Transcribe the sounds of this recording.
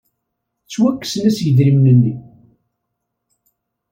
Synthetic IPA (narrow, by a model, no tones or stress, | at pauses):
t͡sːwækːə̥snæsjəðɾimnənːi